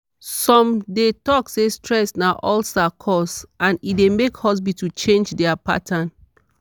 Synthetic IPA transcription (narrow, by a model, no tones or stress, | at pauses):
sɔ̃mdetɔksestɹɛsnaʔɔlsakʰɔsãnidemekhɔs̬bitut͡ʃẽnd͡ʒdɛapa̰tʰãn